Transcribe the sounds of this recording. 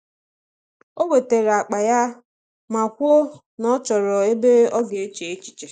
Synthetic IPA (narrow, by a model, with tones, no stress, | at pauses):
o˦we˨te˨ɾa˨k͡pa˨ja˦ | ma˨kʷo˦ | nɔ˦t͡ʃɔ˨ɾɔ˨e˦be˦ɔ˦ɡe˨e˦t͡ʃe˨e˦t͡ʃi̥˨t͡ʃe˨